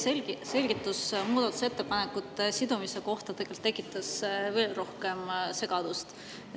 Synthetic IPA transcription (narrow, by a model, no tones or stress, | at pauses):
selɡise̞lʲɡ̥it̪ːˑusmuːd̪ɑt̪ːˑu̥se̞t̪ːe̞pɑnekːut̪ːˑsid̪umise̞ko̞ht̪ɑt̪ekːelt̪ːekːˑit̪ːˑɑsve̞ːlro̞hkemse̞ɡ̥ɑd̪ust̪